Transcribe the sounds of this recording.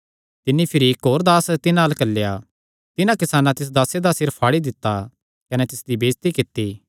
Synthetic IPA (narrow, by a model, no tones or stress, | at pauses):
t̪ɪnːipʰɪɾiɪkɦoːɾd̪aːst̪ɪnaːlkɐlːja | t̪ɪnãkɪsaːnãt̪ɪs̬d̪aːsed̪asɪɾpʰaːɽid̪ɪt̪ːa | kɐnɛt̪ɪsd̪ibeːst̪ikɪt̪ːiː